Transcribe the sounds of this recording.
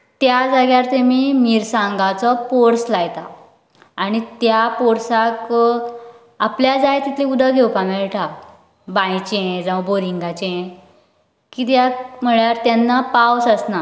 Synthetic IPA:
t̪jad͡zaɡjaɾt̪emimiɾsãŋɡat͡sɔpoɾslajt̪a̰ | aɽ̃it̪japoɾsak | apljad͡zajt̪it̪ʰleud̪əɡʱewpamɛɭʈa | bãjt͡ɕeẽd͡zãʋboɾiŋɡat͡ɕeẽ | kit̪̬jam̤əɭjaɾt̪janːapawsəsna

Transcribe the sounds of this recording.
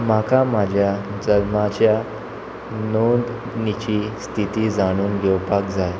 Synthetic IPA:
m̤akamad͡ʑʱjad͡zəlmad͡ʑja | nod̪ | nit͡ɕist̪ʰit̪id͡zaɽ̃uːnɡʱɛwpakd͡zaj

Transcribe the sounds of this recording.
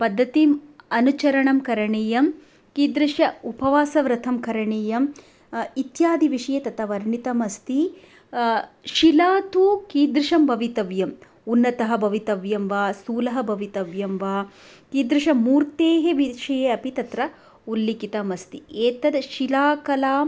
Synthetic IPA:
pɐd̪ʱːɐt̪imɐnut͡ʃɐɾɐɳɐmkɐɾɐɳeːjɐm | kiːd̪ɾɐʂjɐupɐʋaːsɐʋɾɐt̪ʰɐmkɐɾɐɳeːjɐm | it̪jaːd̪ʱiʋiʂɐjet̪ɐt̪ɐʋɐɾɳit̪ɐmɐst̪i | ʃilaːt̪ukiːd̪ɾɪʃɐmbɐʋit̪ɐʋjɐm | unːɐt̪ɐɦɐ̆bʱɐʋit̪ɐʋjɐmʋaːsuːlɐɦɐbʱɐʋit̪ɐʋjɐmʋaː | kiːd̪ɾɪʃɐmuːɾt̪eːɦeʋiʃɐjeɐpit̪ɐt̪ɾɐ | ulːikit̪ɐmɐst̪ḭeːt̪ɐd̪ʃilaːkɐlaːm

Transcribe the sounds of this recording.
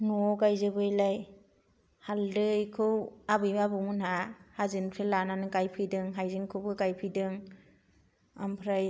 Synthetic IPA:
nuɔkajzɯbɯjlaj | haldɯjkʰɯwabɯjbabɯmɯnhahazɯnpʰelananɯkajpʰɯjdɯŋɦajzɯŋkʰɯwbɯkajpʰɯjdɯŋ | a̰mpʰɾaj

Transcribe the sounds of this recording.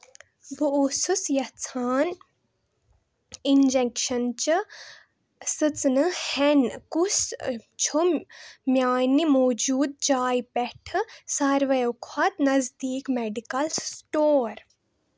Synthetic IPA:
bʱuosusjɐt͡sʰaːn | ind͡ʒekʃɐnt͡ʃi | sɨt͡snɨhɛnkust͡ʃʰumʲjaːnimoːd͡ʒuːd̪̚d͡ʒaːjpɛʈʰɨsɐɾʋɐjukʰɐt̪nɐzd̪iːkmeɖikɐlsʈoːɾ

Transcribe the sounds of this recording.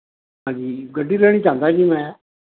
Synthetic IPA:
ɦãːd͡ʒiːɡəɖʱːiːlɛːɽ̃iːt͡ʃãːnd̪aːd͡ʒiːmɛ̃ː

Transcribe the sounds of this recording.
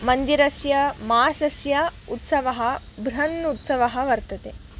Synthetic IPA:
mɐnd̪iɾɐsjɐmaːsɐsjɐut̪sɐʋɐɦɐ̆ | bʱɾɐnːut̪sɐʋɐɦɐʋɐɾt̪ɐt̪e

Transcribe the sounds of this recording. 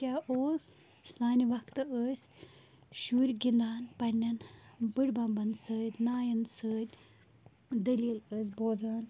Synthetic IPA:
kʲaːʔoːs | saːniʋɐkt̪ɨəːsʲ | ʃuːɾʲɡʲind̪aːnpɐnʲːɐnbɨɽbɐmbɐnsəːt̪ʲnaːjɐnsəːt̪ʲ | d̪əliːləːs̬ʲboːd͡zaːn

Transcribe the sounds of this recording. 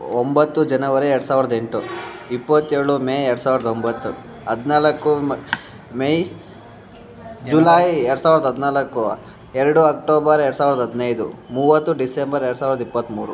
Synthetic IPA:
ombɐt̪ːud͡ʒɐnɐʋɐɾeɛɾɽɐsaːʋɾɐd̪ɐeɳʈuipːɐt̪ːeːɾɭumeːjɛɽɐsaːʋiɾɐd̪ɐombɐt̪ːu | ɐd̪naːlɐkːu | mej | d͡ʒulaːjɛɾɽɐsaːʋiɾɐd̪ɐɦɐd̪naːlɐkːu | ɛɾɐɽuɐkʈoːbɐɾɛɽusaːʋɾɐd̪ɐɦɐd̪nɐjd̪umuːʋɐt̪ːuɖisembɐɾeɾɽsaːʋiɾɐd̪ɐipːɐt̪ːmuːɾu

